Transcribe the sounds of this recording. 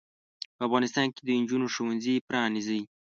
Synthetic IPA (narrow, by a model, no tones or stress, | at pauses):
pəafɣɑnɪst̪ɑnked̪əɪnd͡ʒunoʃowanzipɾɑnizəj